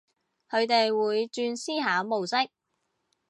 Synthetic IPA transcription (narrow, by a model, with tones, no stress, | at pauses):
kʰɵ˨˧ɥt̪e˨jwuː˨˧jt͡ʃyː˧nsiː˥ɦaː˨˥mo˨wsɪ˥k̚